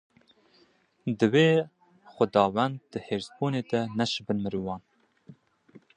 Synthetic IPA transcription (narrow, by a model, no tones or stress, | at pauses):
d̪ɨweː | xʷʊd̪ɑːwænd̪̚ːɨheːɾzbuːneːd̪ɛnɛʃɨbɨnmɨɾuːwɑːn